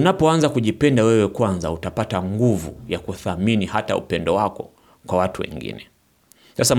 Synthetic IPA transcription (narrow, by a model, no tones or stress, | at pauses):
unapɔanzakuʄipɛndawɛwɛkwanzautapataŋɡuvṵjakuθaminihataṵpɛndɔwakɔ | kwawatuwɛ̰ŋɡḭnɛ | sasa